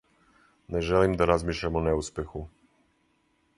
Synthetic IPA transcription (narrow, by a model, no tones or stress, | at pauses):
nɛʒɛlimd̪aɾazmʲiʃlɛmɔnɛuspɛxu